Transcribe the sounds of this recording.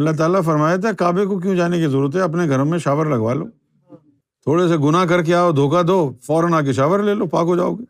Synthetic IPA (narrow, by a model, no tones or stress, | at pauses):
ɐlːaɦt̪̬aːlafɐɾmaːjet̪ɛkaːbekok̬jũd͡ʒaːnekizɐɾuːɾət̪ɦɛɐp̬neɡʱɐɾõmẽʃaːʋəɾlɐɡʋa̰ːlo̰ː | t̪ʰoːɽes̬eɡʊnakɐɾk̬eaːod̪ʱoːkad̪oːfɔːɾənaːk̬eʃaːʋəɾleːloːpaːkɦod͡ʒaːo̰ːɡe